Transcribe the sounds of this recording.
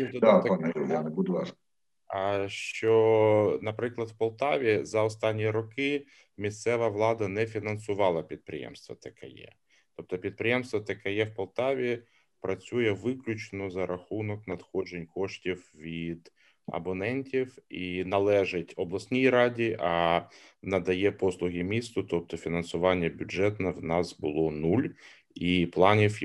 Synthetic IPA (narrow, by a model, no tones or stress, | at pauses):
d̪aanɛɪanbʊd̪ʋɑ | ʃt͡ʃɔnɐpɾɪklˠɐd̪wpɔlˠt̪ɑʋʲizɐɔst̪ɑnʲːijɾɔkɪ | mʲist̪sɛʋɐʋlˠɑd̪ɐnɛfʲinɐnsʊʋɑlˠɐpʲid̪̚pɾɪ̰jɛ̰mst̪ʋɐt̪ɐkɛ̰jɛ̰ | t̪ɔp̚t̪ɔpʲid̪̚pɾɪjɛmst̪ʋɐt̪ɐkɛjɛwpɐlˠt̪ɑʋʲi | pɾɐt͡sʲujɛʋɪklʲʊt͡ʃnɔzɐɾʔɐxunɔknɐt̪xɔd͡ʒenʲkɔʂtʲiwʋʲid̪ | ɐ̰bɐnɛnʲtʲifinɐlˠɛʐɪtʲɔblˠɐsʲnʲijɾadʲiʔɐ | nɐd̪ɐjɛpɔslˠʊɣʲɪmʲist̪ʊt̪ɔp̚t̪ɔfʲɪnɐnsʊʋɑnʲːɪjɛbʲʊʐɛt̪nɐwnɑsbɨlˠɔnulʲ | iplˠɑnʲif